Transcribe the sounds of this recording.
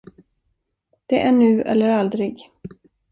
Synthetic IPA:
d̪̥ɛʔæɳʉ̟ːʔɛ̰lːəɾald̪ɾɪɡ

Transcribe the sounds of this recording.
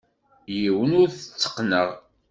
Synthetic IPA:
jiwənʊɾθə̥t͡sːə̥qːnəʁ

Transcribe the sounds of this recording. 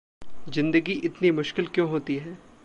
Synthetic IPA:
zɪ̃nd̪əɡiʔɪt̪nimʊʃkɪlkjõːɦoːt̪iɦɛː

